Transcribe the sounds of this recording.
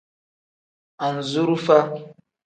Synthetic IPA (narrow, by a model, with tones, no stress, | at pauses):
a˨n˨zu˦ɾu˦fa˦